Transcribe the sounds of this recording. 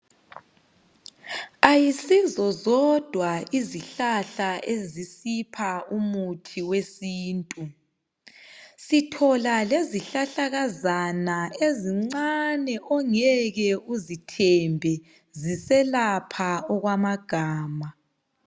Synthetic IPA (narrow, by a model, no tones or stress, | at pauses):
ajisizɔzɔd̥ʱwaiziɬaɬaʔezisipʰaumutʰiwesiːntʼu | sitʰɔlaleziɬaɬaɣazanaeziŋ͡ǀanɛʔɔŋɛɣɛuzitʰɛmbʱɛ | zisɛlapʰaɔɣwamaɡ̥ʱaːma